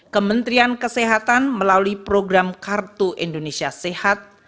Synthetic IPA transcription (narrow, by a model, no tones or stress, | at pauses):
kəmənt̪ɾiankəseɦat̪anməlalipɾoɡɾamkart̪uʔindonesiasehat̪̚